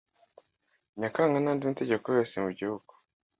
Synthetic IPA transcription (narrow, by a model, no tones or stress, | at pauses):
ɲakaːŋɡanaːndinte̞ɟe̞kojo̞ːsemuɟihuɡ̥u̥